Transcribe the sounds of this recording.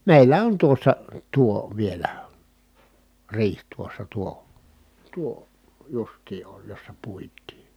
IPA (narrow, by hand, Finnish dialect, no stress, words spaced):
meˑilːæ on tuosːɑ tuo ʋielæ riːh tuosːɑ tuo tuo justiː oj josːɑ puitˑiː